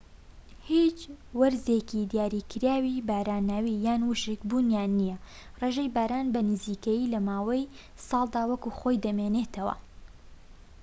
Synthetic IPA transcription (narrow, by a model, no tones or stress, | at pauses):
hit͡ʃwɐɾzekid̪jaːɾikɨɾaːwibaːɾaːnaːwijaːnwuʃekbuːnjaːnːijɐ | reːʒejbaːɾaːnbɐnɨziːkɐjilɐmaːwɐj | sɑːlˠd̪aːwɐkuxo̞jd̪ɐmene̞ːt̪ʰɐwɐ̰